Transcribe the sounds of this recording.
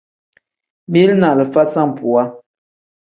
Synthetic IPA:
mi˦lna˨lə˨fa˦sa˦˨m˨pu˨a˦

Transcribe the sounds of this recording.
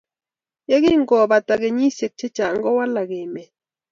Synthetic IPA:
je˦ɡɪ˦ŋ̩˦ɡɔ˨ba˨ta˨ɡe˨ɲi˦se˨k̚t͡ʃe˦t͡ʃa˨ŋ˦ɡɔ˦wa˦la˨ɡe˨mɛ˨

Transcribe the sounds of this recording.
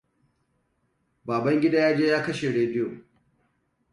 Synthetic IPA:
baː˨bɐ˦ŋɡʲɪ˦daː˦jaː˦d͡ʒeː˦jaː˦kɐ˦ʃe˨ɽeː˨dɪ˦jo˨

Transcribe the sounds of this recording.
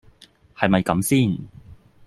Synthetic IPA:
hɐ˨jmɐ˨jkɐ˨˧˥msiː˥˩n

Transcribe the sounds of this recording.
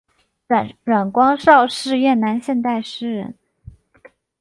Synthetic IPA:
ɻwa˨˩nkwɑ˥ŋʂɑ˥˧ʊʂɻ̩˥˧jɛ˥˩nna˧˥nɕjɛ˥˧nt̪a˥˩ɪʂɻ̩˥ɻə̰˧˥n

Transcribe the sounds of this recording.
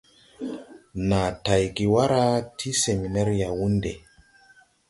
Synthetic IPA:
na˨ta˨jɡi˨wa˦ɾa˦tʰi˦se˨mi˨na˦ɾi˦ja˨wu˦nde˨

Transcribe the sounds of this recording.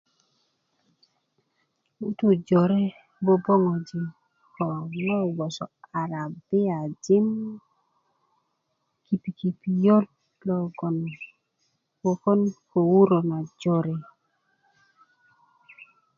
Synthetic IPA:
u˦tu˦˨d͡ʒɔ˨ɾɛ˦ | bo˦bɔ˦ŋɔ˨d͡ʒi˨m | kɔ˨ŋɔ˦˨wɔ˨sɔ˨a˨ɾa˨bɪ˦a˨d͡ʒɪ˦m | ki˨pi˨ki˨pi˨jo˦d | lɔ˨ɡɔ˨n | wɔ˨kɔ˦nko˨wu˦ɾo˨na˨d͡ʒɔ˨ɾɛ˦

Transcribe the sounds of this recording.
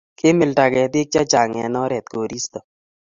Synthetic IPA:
kʰɪ˦mɪ˨lta˨kɛ˨t̪ɪ˦k̚t͡ʃa˦t͡ʃa˨ŋɛ˨nɔ˦ɾɛ˨t̪̚ko˨ɾi˦st̪ɔ˨

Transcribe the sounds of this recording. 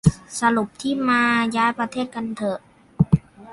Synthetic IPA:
sa˧lu˨˩p̚t̪ʰiː˥˩maː˧jaː˧˥jpɾa˧t̪ʰeː˥˩t̪̚ka˧nt̪ʰɤ˧˩ʔ

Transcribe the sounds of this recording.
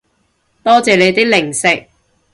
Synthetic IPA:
t̪ɔː˥t͡sɛː˨le˨˧jt̪iː˥k̚lɪ˨˩ŋsɪ˨k̚

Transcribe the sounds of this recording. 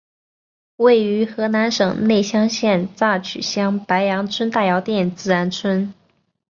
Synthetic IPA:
we˥˩ɪy˧˥xɤ˧˥na˧˥nʂɤ˨˩ŋne˥˩ɪɕjɑ˥ŋɕjɛ˥˧nt͡sa˥˩t͡ɕʰy̰˨˩ɕjɑ˥ŋpa˧˥ɪjɑ˧˥ŋt͡sʰwə˥nt̪a˥˩jɑ˧˥ʊt̪jɛ˥˩nt͡sɹ̩˥a˧˥nt͡sʰwə˥n

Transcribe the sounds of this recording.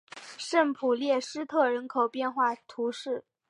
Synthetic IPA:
ʂə˥˩ŋpʰu˨˩ljɛ˥˩ʂɻ̩˥t̪ʰɤ˥˩ɻə˧˥nkʰo˨˩ʊpjɛ˥˧nxwa˥˩t̪ʰu˧˥ʂɻ̩˥˩

